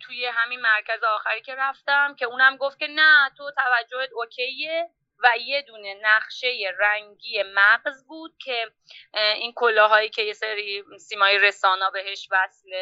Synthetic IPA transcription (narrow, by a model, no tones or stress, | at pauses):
t̪ʰujeɦæminmæɾcʰæzeɒːxæɾiːcʰe̞ɾæft̪æmcʰe̞uːnæmɡo̞ft̪̚kʰʲe̞næt̪ʰo̞t̪ʰævæd͡ʒːo̞hed̪ocʰe̞je | væje̞d̪uːne̞næχʃe̞je̞ræŋɟiːje̞mæɢzbuːd̪̥̚cʲʰe̞ | inkʰolɒːɦɒːjiːcʰeje̞seɾisiːmɒːjeɾe̞sɒːnɒːbe̞ɦe̞ʃvæsle